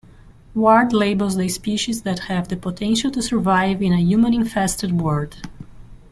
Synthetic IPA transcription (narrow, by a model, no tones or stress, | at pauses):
waɹdleɪbəlˠzðespiʃizðæthævðəpɔtʰɛ̃nʃəlˠtusə˞vaɪvɪ̃nəjumə̃nɪ̃nfɛstəd̚wɔɹd̥